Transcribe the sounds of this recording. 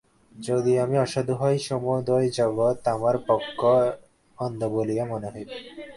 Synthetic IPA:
d͡ʑod̪iamiɔʃad̪ʱuɦɔjʃɔmɔjd̪ojd͡ʑɔɡot̪amaɾpɔkʰːo | ɔnd̪ʱobolijamɔneɦɔj

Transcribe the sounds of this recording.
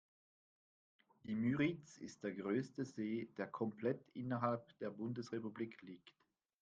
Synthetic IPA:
d̥iːmyʁit͡sɪ̰st̚d̥eːɐɡʁøːstəzeːd̥eːɐkʰɔmplɛtʔɪnɐɦalpd̥eːɐbʊndəsʁepubliːkʰliːkt

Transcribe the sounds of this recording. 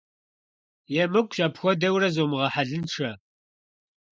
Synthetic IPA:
jɛmɨkʷʰʼɕʼapxʷɔdɐwrɐzomɨʁɐħaɮɨnʈ͡ʂʰɐ

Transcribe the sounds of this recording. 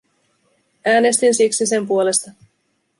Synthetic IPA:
æːne̞st̪insiksise̞mpuole̞st̪ɑ

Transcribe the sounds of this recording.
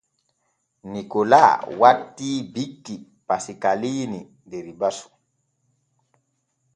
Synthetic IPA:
nikola̰watːibikːi | pasikalini | deɾibasu̥

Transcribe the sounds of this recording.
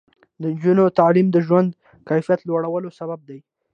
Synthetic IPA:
d̪ənd͡ʒunot̪alimd̪əʒwand̪ | kajfijat̪lwaɽawəlosabab̚d̪aj

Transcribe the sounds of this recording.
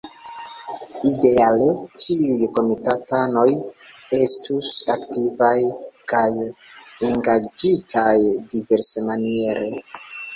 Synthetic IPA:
ide̞alet͡ʃiujko̞mitatano̞j | e̞stusaktivajkaj | eŋɡad͡ʒitʰajdive̞ɾsemanie̞ɾe̞

